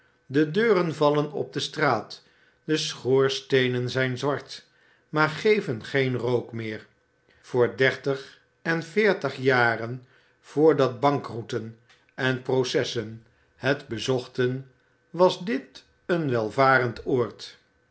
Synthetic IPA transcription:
dədøːrənvɑlənɔ̰b̚dəstraːt | dəsχoːɹstejnənzɛjnzʋɑɹt | maːɹχejvənχejnrowkmɪːɹ | v̥ʊːɹdɛɹtəχ | ɛnfɪːɹtəχjaːrən | v̥ʊːɹdɑd̚bɑŋkrutən | ɛnprosɛsən | hədbəzɔχtən | ʋɑzdɪt | ənʋɛlˠvaːɾəntʊːɹt

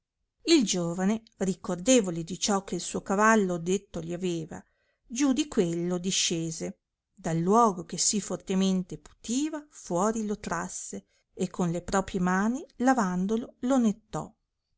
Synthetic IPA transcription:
ild͡ʒoːvane | rikord̪eːvoled̪it͡ʃɔkːeilsuːokavalːod̪et̪ːoliaveːva̰ | d͡ʒud̪ikwelːod̪iʃːeːze | d̪alːwɔːɡokesifort̪ement̪epu̥t̪iːvafwɔːɾilot̪ɾasːe | ekʰːonlepɾɔːpɾjemaːnilavand̪ololonet̪ːɔ̰

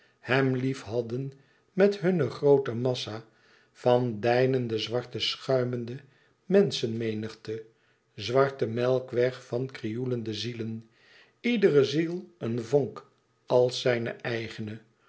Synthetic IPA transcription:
hɛmlifɦɑdən | mɛtɦɵnəχrowtəmɑsa | fɑndɛjnəndəzʋɑɹtəsχœɥməndə | mɛnsənmejnəχtə | zʋɑɹtəmɛlˠkʋɛχfɑnkrijuləndəzilən | idərəzilˠənvoŋk | ɑlˠsɛjnə̰ʔɛjχənə

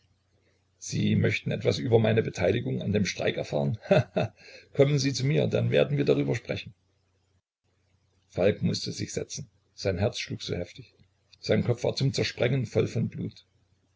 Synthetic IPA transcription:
z̥iːmœçtn̩ɛtv̥asʔyːbɐmaɪnəbətʰaɪlɪɡʊŋandeːmʃtʁ̥a̰ɪkɛɐfa̰ːʁənhaakkʰɔmənziːt͡sumiːɐd̥a̰nvḛːɐdn̩viːɐdaʁ̞yːbɐʃpʁ̥ɛ̰çn̩ | falkmʊstəzɪçz̥ɛ̰t͡sn̩ | z̥aɪnɦɛɐt͡sʃluːkz̥o̰ːhɛftɪç | z̥aɪnkʰɔp͡ffv̥a̰ːɐt͡sʊmt͡sɛɐʃpʁ̥ɛŋənfɔlfɔnblṵːt

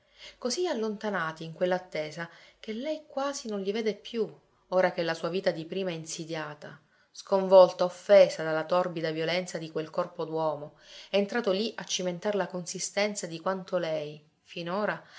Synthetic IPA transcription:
kozialːont̪anaːt̪iːŋkwelːat̪ːeːzakelːɛjkwaːzinonʎiveːd̪epːju | oːɾak̟elːasuːaviːt̪ad̪ipɾiːmaɛinsid̪jaːt̪a | skoɱvɔlt̪aofːeːzad̪alːat̪ɔrbid̪avjolɛnt̪sad̪ikwelkɔrpod̪wɔːmoɛːnt̪ɾaːt̪oliʔat͡ʃːiment̪aɾlakonsist̪ɛnt̪sad̪ikwant̪olɛj | finoːɾa

